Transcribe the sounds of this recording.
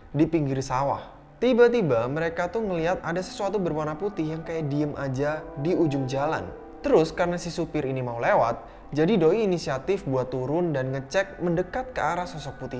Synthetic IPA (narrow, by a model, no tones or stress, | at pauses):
dipiŋɡiɾsawa̰h | t̪ibat̪ibaməɾekat̪ʊhŋəliɦat̪adasə̥suat̪ubərmanaput̪ɪhjaŋkajaʔdiəmʔad͡ʒadiud͡ʒʊmd͡ʒala̰n | t̪əɾʊskaɾənasisupɪɾinimaulewa̰t̪̚ | d͡ʒadidoiːnisiat̪ɪfbuat̪ːuɾʊndanŋət͡ʃɛk̚məndəkat̪̚kəaɾasɔsɔk̚put̪ɪh